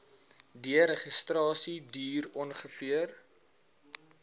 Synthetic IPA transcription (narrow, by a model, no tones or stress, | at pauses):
diəɾəχəstrɑːsidyːrɔnχəfiər